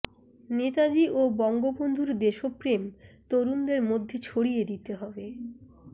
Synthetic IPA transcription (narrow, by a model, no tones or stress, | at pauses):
net̪ad͡ʑiʔobɔŋɡobond̪ʱuɾd̪eʃopɾemt̪oɾund̪eɾmod̪ʱːet͡ɕʰoɽijed̪it̪eɦɔbe